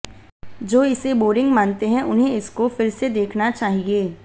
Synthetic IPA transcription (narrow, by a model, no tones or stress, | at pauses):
d͡ʒoːɪseboːɾɪ̃ŋɡmãːnt̪eɦɛ̃ʔʊnɦẽɪskofɪlsed̪eːkʰnat͡ʃaːɦieː